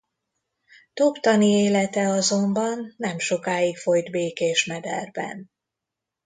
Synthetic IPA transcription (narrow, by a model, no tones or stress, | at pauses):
t̪opt̪ɒnieːlɛt̪ɛɒzo̞mbɒnːɛmʃo̞kaːikfo̞jd̪beːkeːʃmɛd̪ɛrbɛ̰n